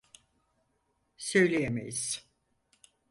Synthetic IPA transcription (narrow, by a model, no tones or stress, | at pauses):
sø̞jlʲejemḛjiz̥